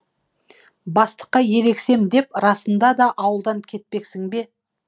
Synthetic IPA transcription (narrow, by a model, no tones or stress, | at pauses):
bɑst̪ə̥qːɑje̞ɾe̞kse̞md̪e̞pɾɑsənd̪ɑd̪ɑʔɑwəlˠd̪ɑŋkʲʰe̞t̪̚pe̞ksɪŋbe̞